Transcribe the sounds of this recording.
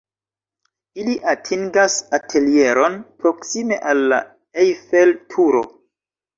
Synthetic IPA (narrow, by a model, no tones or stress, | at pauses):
iliʔatʰiŋɡasatʰe̞lie̞ɾo̞npɾo̞ksime̞ʔalːa̰ | ejfeltʰuɾo̞̰